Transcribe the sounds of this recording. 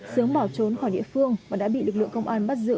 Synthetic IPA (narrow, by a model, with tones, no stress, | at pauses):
sɨ˨˦əŋɓaː˧˩wt͡ɕo˨˦nxɔ˧˩ɗḭ˧˨əfɨ˧əŋvaː˨˩ɗa̰ː˧˥ɓḭ˧˨lɨ˨˩k̚lɨ̰˧˨əŋkə˧wŋ͡mʔaː˧nɓa˦˥t̚zɨ̰˧˥